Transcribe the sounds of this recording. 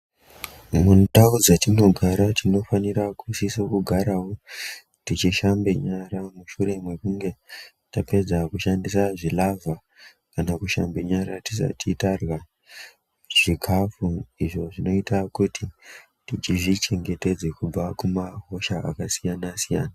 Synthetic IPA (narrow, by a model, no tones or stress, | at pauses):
muntaud͡zatino̞ɡʱaɾatino̞faniɾakusisakuɡʱaɾawo̞ | tit͡ʃiʃambeɲaɾamuʃure̞mwekuŋɡe̞ | tape̞d͡zakuʃandisaʐilavʱa | kanakuʃa̰mbeɲaɾatisa̰titarwa | ʐ̥ikʰafuiʐo̞ʐino̞itakutʰi | tit͡ʃiʐit͡ʃe̞ŋɡe̞te̞d͡zekub͡vakumaɦo̞ʃaa̰kasijanasijaːna